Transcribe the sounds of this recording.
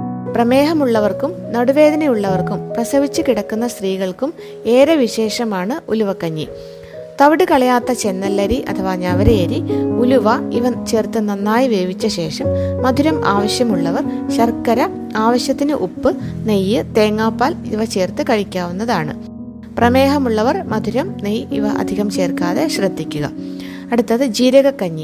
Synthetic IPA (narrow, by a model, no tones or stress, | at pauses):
prɐme̞ːɦɐmuɭːɐʋɐrkumnɐɽuʋe̞ːd̪ɐnɐjuɭːɐʋɐrkumprɐsɐʋit͡ɕːɨkiɽɐkːunːɐst̪riːɣɐɭkum | e̞ːɾɐʋiɕe̞ːʂɐmaːɳɨʔṵluʋɐkːɐɲːḭ | t̪ɐʋiɽɨkɐɭɐjaːt̪ːɐt͡ɕe̞nːɐlːɐɾiʔɐ̰t̪ʰɐʋaːɲɐʋɐɾejɐɾiuluʋɐiʋɐt͡ɕe̞ːrt̪ɨnːɐnːaːjiʋe̞ːbit͡ɕːɐɕe̞ːʂɐmːɐd̪ʱuɾɐmaːʋɐɕjɐmuɭːɐʋɐrɕɐrkɐɾɐ | aːʋɐɕjɐt̪ːinɨʔupːɨnejːɨt̪e̞ːŋːaːpːaːlḭʋɐt͡ɕe̞ːrt̪ɨkɐɻikʲːaːʋunːɐðaːɳɨ̰ | prɐme̞ːɦɐmuɭːɐʋɐrmɐd̪ʱuɾɐmnejḭʋɐʔɐ̰d̪ʱiɣɐmt͡ɕe̞ːrkaːðe̞ɕrɐd̪ʱːikʲːuɣɐ̰ | ɐɽut̪ːɐðɨd͡ʑiːɾɐɣɐkːɐɲːi